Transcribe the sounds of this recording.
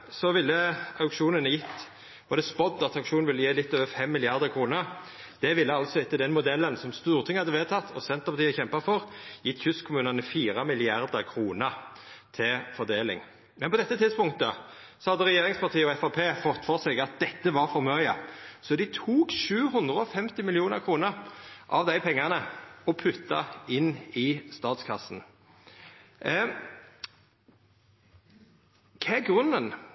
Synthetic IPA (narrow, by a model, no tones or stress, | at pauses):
sɔʋɪlːəɑʊkʂuːnənəjɪt̪ː | ɔd̪ɛspɔd̪ːɑt̪ɑʊʂuːnnʋɪlːəjeːlɪt̪ːøːʋəfɛmːɪlɪɑʁd̪əʁkʰʁuːnəɾ | d̪̥ɛʋɪlːəɑlsɔɪt̪ːəd̪ɛnmʊd̪ɛlːənsɔmst̪uːɾt̪ʰɪŋhɑd̪ːəʋeːt̪ʰɑt̪ʰːɔsɛnt̪əʁpɑt̪iːəçɛmpɑfɔʁjɪt̪ːçʉskʰʊmʉːnɑnəfiːɾɑmɪlɪɑɾd̪əɾkʰʁuːnəɾt̪ʰɪfɔd̪eːlɪ̰ŋ | mɛnpɔd̪ɛt̪ːət̪ʰɪd̪spʊŋ̚t̪ə | sɔhɑd̪əʁɛjeːɾɪŋspɑʁt̪ʰiːəɔɛfɑpʰeːfɔt̪ːfɔʁseːɡɑt̪̚d̪̥ɛt̪ːəʋɑɾfɔɾmœʏəsɔd̪ɪt̪ʰuːkʃʉːɦʉnd̪ʁəɔfɛmt̪ɪmɪlɪuːnə̰ʁkʰʁuːnəʁʔɑ̰ʋd̪æɪpʰɛŋːɑnəɔpʰʉt̪ːɑ̰ɪnːɪst̪ɑːt̪skʰɑsn̩ | kʰɛæɡʁʉnːən